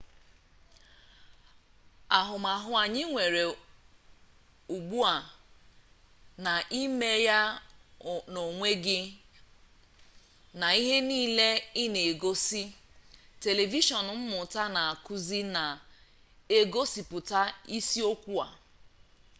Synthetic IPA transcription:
a˨ɦʊ˨ma˨ɦʊ˦a˨ɲɪ˦ŋʷe˨ɾe˨ | u˨ɡ͡bu˦a˨ | na˨ʔi˦me˦ja˦ | no˨ŋʷe˦ɡɪ˦ | na˨i˦ɦe˦niː˦˨le˦ɪ˦ne˨e˨ɡo˦si˦te˨le˨vi˦ʃɔ˨n˨m̩˦mʊ˨ta˦na˨a˨kʊ˦zi˦na˨ | e˦ɡo˦si˨pʊ˨ta˦i˦si˦o˦kʷu˦a̰˨

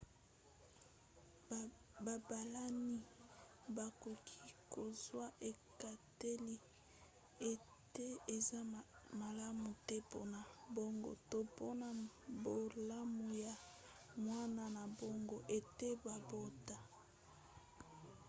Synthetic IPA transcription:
ba˨ba˨la˦ni˦ | ba˨ko˨kʰi˦ko˨zwa˦ʔe˨ka˨te˦li˦ | e˨ | te˦e˨za˦ma˨la˦mu˨tɛ˦po̰˦na˨bo˦ŋɡo̰˨to˦po˦na˨bo˨la˦mu˨ja˨ | mwa˦na˨na˨bo˦ŋɡo˨ʔe˨te˦ba˨bo˦ta˨

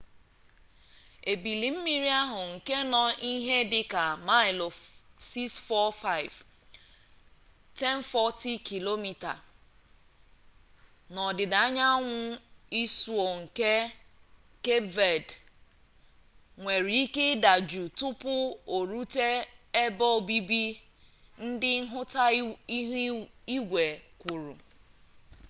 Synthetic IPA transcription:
e˨bi˨li˨m̩˦mi˦ɾi˦a˦ɦʊ˨ŋ̩˨ke˦nɔ˨ʔi˦ɦe˦dɪ˨ka˨ma˦ɪ˨lɔ˨si˦ksfɔ˦fa˦ɪ˨v | te˦n˦fɔ˦ti˦kʰi˨lo˦mi˨ta̰˨ | nɔ˨dɪ˨da˨a˦ɲa˦ŋʷʊ˦i˦su˨o˨ŋ̩˨ke˦ | ke˦ve˨d | ŋʷe˨ɾi˨i˦ke˦da˨d͡ʒu˨tʊ˦pʊ˦o˨ɾu˦te˦e˦bɔ˦˨bi˦bi˦ | n̩˦dɪ˦ɦʊ˦ta˦ | i˦ɡʷe˨kʷu˨ɾṵ˨

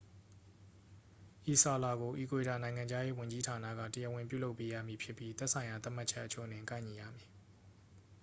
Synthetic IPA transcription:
ʔi˨sa˨la˨ɡo˨ʔi˨kwe˨ta˨nã˨ɪ̃ŋã˨ɲd͡ʑa˦je˦wʊ̃˨ɲd͡ʑi˦tʰa˨na̰˦˨ɡä̰˦˨tə˨jɛ˦˨wɪ̃˨mp̬jṵ˦˨lo˦ʊpːe˦jä̰˦˨mi˨pʰjɪ˦pːji˦t̪ɛ˦ʔsʰã˨ɪ̃ja˨t̪a˦ʔma˦t͡ɕʰɛ˦ʔːət͡ɕʰo̰˦˨ənɪ̃˨ŋkã˦ɪ̃ɲi˨ja̰˦˨mi˨

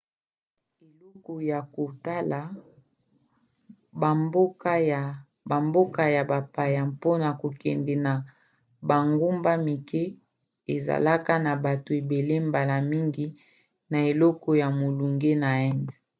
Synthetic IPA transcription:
e˨lɔ˦kɔ˨ja˨ko˨ta˦la˨ | ba˨bo˦ka˦˨ | ba˨mbo˦ka˦ja˨ba˨pa˨ja˨mpo˦na˨ko˨kɛ˨ndɛ˨na˨ | ba˨ŋɡu˦mba˦mi˨ke˦ | e˨za̰˨la˦ka˦na˨ba˨to˨e˨be˨le˦mba˨la˨mi˦ŋɡi˨ | na˨e˨lɔ˦kɔ˦ja˨mo˨lu˨ŋɡe˦na˨ɛ˦nzi˨

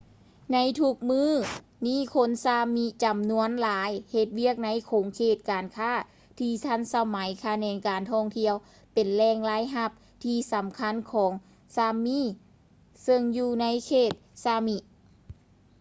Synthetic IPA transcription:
na˧˥jt̪ʰu˧˩k̚mɯː˧˥˩ | miː˧˥˨kʰo˧˥˨nsaː˧mi˧t͡ɕa˨˩mnu˧˥ə˨nlaː˨˦jhe˧t̪̚wi˧˥˩ək̚na˧˥jkʰoː˨˦ŋkʰeː˧˩t̪̚kaː˨nkʰaː˧˥˩ | t̪ʰiː˧t̪ʰa˧˥˨nsa˧ma˨˦jkʰa˧nɛː˧nkaː˨nt̪ʰɔː˧˥˩ŋt̪ʰi˧əw | pe˨˩nlɛː˧˩ŋlaː˧˥˨jɦa˧˥p̚ | t̪ʰiː˧sa˨˦mkʰa˧˥˨nkʰɔː˨˦ŋ | saː˧miː˧˥˨ | sɤ˧ŋjuː˧˩na˧˥jkʰeː˧˩t̪̚saː˧mi˧ʔ

